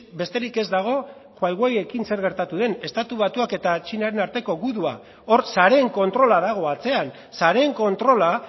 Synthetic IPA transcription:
be̞st̪e̞ɾike̞zd̪aɣ̞o̞ | xwajɣwaje̞kinse̞ɾɣe̞ɾt̪at̪uðe̞ne̞st̪at̪uβ̞at̪uake̞t̪at͡ʃinaɾe̞naɾt̪e̞ko̞ɣuðua | o̞ɾsaɾe̞ŋko̞nt̪ɾo̞laðaɣ̞o̞at͡se̞an | saɾe̞ŋko̞nt̪ɾo̞la

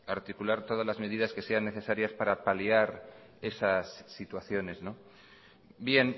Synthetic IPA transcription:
aɾt̪ikulaɾt̪o̞ð̞azlazme̞ð̞iðaske̞se̞anːe̞θe̞saɾjaspaɾapaliaɾ | e̞sasːit̪waθjo̞ne̞zno̞ | bje̞n

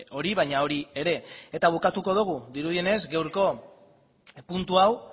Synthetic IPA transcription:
o̞ɾiβajɲao̞ɾie̞ɾe̞et̪aβ̞ukat̪uko̞ð̞uɣ̞uðiɾuðie̞ne̞zɡe̞wɾko̞ | punt̪uaw

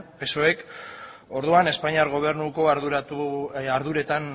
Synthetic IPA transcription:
pe̞so̞e̞k | o̞ɾðuane̞spaɲiaɾɣo̞β̞e̞ɾnuko̞aɾðuɾat̪uaɾðuɾe̞t̪an

